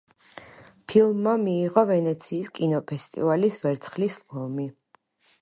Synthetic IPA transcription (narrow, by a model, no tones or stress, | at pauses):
pʰilˠmːamiːʁɔvɛnɛt̪sʰiːskʼinɔpʰɛst̪ʼḭvalisvɛɾt̪sʰχlislɔmi